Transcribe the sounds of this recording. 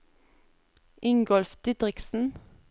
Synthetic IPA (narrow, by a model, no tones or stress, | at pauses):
ʔɪŋɡɔlfd̪̥ɪːd̪ʁɪksn̩